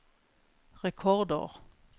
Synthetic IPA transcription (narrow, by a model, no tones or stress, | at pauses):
ʁɛkʰɔʁd̪ə̰ʁ